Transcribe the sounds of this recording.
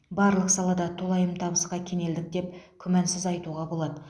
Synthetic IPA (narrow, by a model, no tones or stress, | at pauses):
bɑɾlˠəqsɑlˠɑd̪ɑt̪ʰolˠɑjəmt̪ʰɑbəsqɑkʲʰe̞ne̞ld̪ɪk̚d̪e̞p̚kʲʰʏmænsɪzɑjt̪uʁɑbo̞lˠɑd̪ə